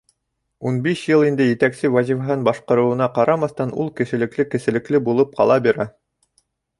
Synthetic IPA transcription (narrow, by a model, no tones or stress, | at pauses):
unbiʃjɤlˠind̪ɘjɘ̆t̪æksɘwæzʲivɦɤnbɑʃqɤ̆ɾɤ̆wɤ̆nɑqɑɾɑmɑθt̪ɑnulˠkɘ̆ʃɘ̆lɘ̆klɘkɘ̆sɘ̆lɘ̆klɘbulˠɤp̚qɑ̰lˠɑbiɾæ